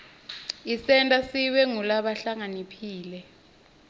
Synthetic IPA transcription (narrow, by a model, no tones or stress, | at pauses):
isɛntʼasiwɛŋulaɓaɬaŋanipʰiːlɛ